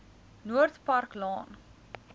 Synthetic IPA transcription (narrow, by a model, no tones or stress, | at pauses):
nuərtpɐrklɑːn